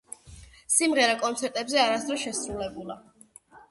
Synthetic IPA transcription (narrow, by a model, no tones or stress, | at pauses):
simʁɛɾakʼɔnt̪sʰɛɾt̪ʼɛbzɛaɾasd̪ɾɔʃɛsɾulɛbulˠa